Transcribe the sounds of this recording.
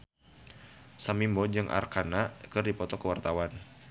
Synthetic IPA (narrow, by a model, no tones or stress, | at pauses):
samimbɔd͡ʒɨŋʔa̰rkanakɨrdipɔt̪ɔkəwart̪awan